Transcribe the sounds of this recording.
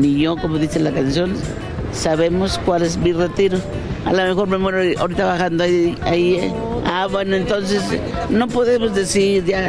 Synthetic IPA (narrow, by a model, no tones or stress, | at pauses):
nijokomoðiselakans̬jon | saβemoskwales̬miret̪iɾo | a̰lamexoɾmemoɾoo̰ɾit̪aβaxand̪oai | abwenoent̪ons̬es | nopoðemozðesiɾʝa